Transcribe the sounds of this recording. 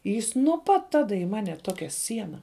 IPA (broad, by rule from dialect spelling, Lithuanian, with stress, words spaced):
ˈjɪs nuɔ ˈpɐt ˈtɑːdɐ ɪ ˈmɑːnʲɛ ˈtoːkʲɛ ˈsʲiɛnɐ